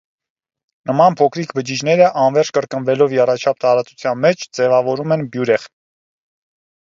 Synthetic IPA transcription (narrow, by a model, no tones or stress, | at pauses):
nəmɑnpʰɔkʰɾikʰbəd͡ʒid͡ʒnɛɾəʔɑnvɛɾt͡ʃʰkəɾkənvɛlɔvjɛrɑt͡ʃʰɑp̚t̪ɑɾɑt͡sut͡sʰjɑnmɛt͡ʃʰd͡zɛvɑvɔɾumɛnbjuɾɛχ